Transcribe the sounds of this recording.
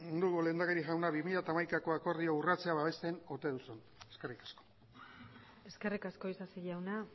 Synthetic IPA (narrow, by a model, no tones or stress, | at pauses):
und̪uɣule̞nd̪akeɾiʝawnaβimiʎat̪aːmajkako̞ako̞ɾðiourat͡se̞aβaβe̞st̪eno̞t̪e̞ðusun | eske̞rikḁsko̥ | e̞ske̞rikasko̞isasiʎawna